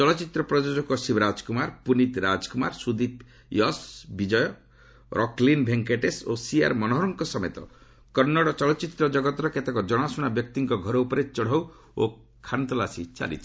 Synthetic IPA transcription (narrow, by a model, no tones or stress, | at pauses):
t͡ʃɔlɔt͡ʃit̪ɾɔpɾɔd͡ʒod͡ʒɔkɔsibɾad͡ʒkumaɾpunit̪ɾad͡ʒkumaɾsud̪it̪ | jɔsbid͡ʒɔjɔ | ɾʔɔklinbʱeŋkeʈesosia̰ɾmɔnɔɦɔɾɔŋkɔsɔmet̪ɔ̰ | kɔɾnːɔɽɔt͡ʃɔlɔt͡ʃit̪ɾɔd͡ʒɔɡɔt̪ɔɾɔket̪ekɔd͡ʒɔɽ̃asuɽ̃abjɔk̚t̪iŋkɔɡʱɔɾɔupɔɾet͡ʃɔɽ̤aw | o̰ | kʰant̪ɔlasit͡ʃa̰lḭt͡ʃʰi̥